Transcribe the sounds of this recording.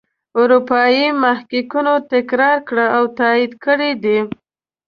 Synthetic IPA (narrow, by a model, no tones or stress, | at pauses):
ʊɾupɑjimahkikunot̪ɪkɾɑɾkɽəawt̪ɑid̪kəɽid̪i